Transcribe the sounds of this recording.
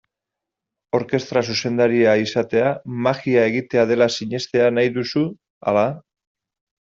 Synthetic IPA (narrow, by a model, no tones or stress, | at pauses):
o̞ɾke̞st̪ɾas̬use̞nd̪aɾiaisat̪e̞amaɣiae̞ɣ̞it̪e̞að̞e̞lasiɲe̞st̪e̞anajðusu | a̰la